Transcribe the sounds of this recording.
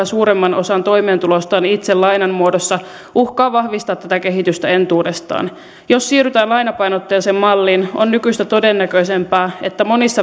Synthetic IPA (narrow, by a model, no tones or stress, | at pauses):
æsuːɾemːɑno̞sɑnt̪o̞jme̞ːnt̪ulost̪ɑːnit̪sellɑjnɑnmuodosːɑ | ʔuhkɑːʋɑhʋist̪ɑːt̪t̪æt̪æke̞ɦit̪yst̪æe̞nt̪uːdest̪ɑ̰ːn | jo̞sːiːryt̪æːnlɑjnɑpɑjnot̪ːeːnsemmɑlːinonːykyst̪æt̪o̞denːækøise̞mpæːet̪ːæmo̞nisːɑ